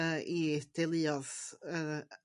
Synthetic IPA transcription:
id̥elˠɨɔðə

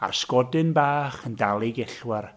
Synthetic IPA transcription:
a̰rskɔdɨnbaːχəndalˠɪɡɛɬwɛr

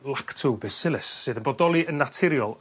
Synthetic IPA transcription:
lˠaktʰuwbɪsɪlˠɪsːɨːðənbɔdɔlˠiʔənːatʰɪɾjɔlˠ

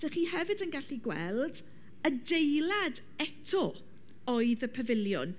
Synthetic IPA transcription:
d̥əχiːhɛvɨdənɡaɬiɡwɛ̰lˠd | ədejlad | ɛtʰɔ | ɔɨðəpʰəvɪlˠjʊ̰n

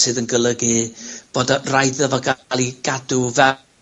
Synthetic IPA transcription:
sɨːðənɡəlˠəɡɨb̥oːdarajðɔvɔɡalˠiɡ̥adʊvɛ

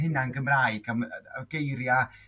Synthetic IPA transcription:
ɦɪnanɡəmraːɨɡ̥amaɡ̥ejɾja

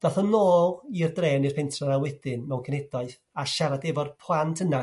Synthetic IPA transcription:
d̥aθɔnoːlˠirdreːnirpʰɛntʰranawɛdɪnmɛwkʰənɛdɔɨθ | aʃaɾadɛvɔrpʰlˠantʰəna

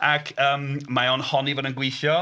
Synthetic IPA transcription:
akʰəːmmaonhɔnivoːdənɡwɪθjɔ

